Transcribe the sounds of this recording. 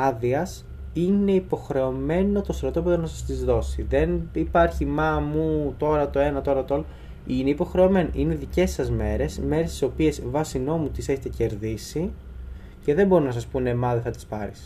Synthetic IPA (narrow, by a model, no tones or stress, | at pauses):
ɐðiɐs | ine̞ipo̞xɾe̞o̞me̞no̞t̪o̞st̪ɾot̪o̞p̬eonɐsɐst̪izðo̞siðe̞nipɐɾçimɐmut̪o̞ɾɐt̪o̞e̞nɐt̪o̞ɾɐt̪ool | ineipo̞xɾe̞o̞me̞nʔineðice̞sɐzme̞ɾe̞sme̞ɾest̪i̥so̞pie̞svɐsino̞mut̪ise̞çet̪ece̞ɾðisi | ce̞ðe̞mbo̞ɾinɐsɐspunemɐðeθɐt̪i̥spɐɾis